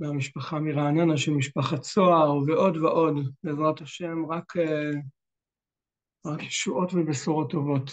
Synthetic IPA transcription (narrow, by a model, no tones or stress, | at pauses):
meamiʃpaχamiʁaːnonaʃelmiʃpaχat͡soaʁveʔo̞d̪veʔo̞dbezʁat̪aʃe̞mʁakʰe | ʁakjeʃuʔo̞tvibesoʁo̞t̪ːo̞vo̞t